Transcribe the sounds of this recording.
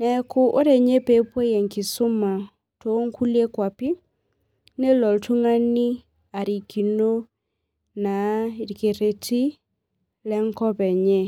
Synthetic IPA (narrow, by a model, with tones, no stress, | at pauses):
nɛ˨ku˦ʔo˦ɾɛ˨ɲɛ˦pe˨pwe˦jɛ˨ŋki˨su˦ma˨ | to˦ŋ˦ku˦lɛ˦kwa˨pi˦ | ne˦lɔ˨ltu˦ŋa˦ni˦ | a˨ɾi˨ki˨no˦ | na˨ɾike˨ɾe˨ti˦ | lɛ˦ŋkɔ˦βɛ˨ɲɛ˦